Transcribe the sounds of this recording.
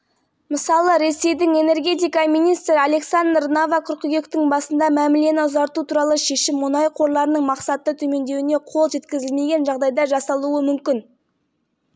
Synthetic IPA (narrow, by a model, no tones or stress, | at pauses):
məsɑlˠəɾe̞se̞jd̪ɪŋe̞ne̞rɡʲe̞t̪ijkɑminijst̪ɾɪale̞ksand̪rnavɑqʰʊɾqəɡʲe̞kt̪ɪŋbɑsənd̪ɑmæmɪle̞nɪʊzɑɾt̪ut̪ʰuɾɑlˠəʃe̞ʃɪmːʊnɑjqʰo̞ɾlˠɑɾənəɴmɑqsɑt̪ːət̪ʰɵme̞nd̪e̞wɪne̞qʰo̞lˠʒe̞t̪kʲɪzɪlme̞ɡʲe̞nʒɑʁd̪ɑjd̪ɑʒɑsɑlˠuəmʏmkʲɪn